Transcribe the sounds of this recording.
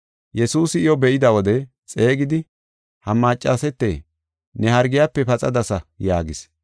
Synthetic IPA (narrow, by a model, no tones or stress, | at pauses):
jɛsuːsɪɪjɔbɛʔɪd̪ɐwɔd̪ɛ | t͡sʼe̞ːɡɪd̪ɪ | hɐmːaːt͡ʃʼːasɛt̪ːḛː | nɛhɐɾɡɪjapːɛpɐt͡sʼɐd̪ɐsɐjaːɡɪs